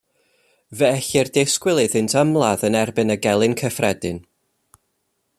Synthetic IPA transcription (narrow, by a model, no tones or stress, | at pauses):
vɛɛɬɪrdeskwɪlˠɨðɨntʰəmlˠaðənɛrbɨnəɡɛlˠɨnkʰəfrɛdɨn